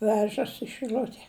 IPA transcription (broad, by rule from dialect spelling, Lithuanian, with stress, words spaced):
ˈʋʲæːʒɐs ɪ ʃɨˈlʲʊtʲɛ